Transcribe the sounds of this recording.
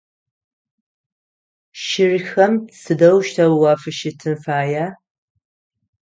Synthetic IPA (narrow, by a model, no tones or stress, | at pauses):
ʃɪrxɐmsɨdɐwʃtʰɐwwaːfɨʃɪtʰɨnfaːjaː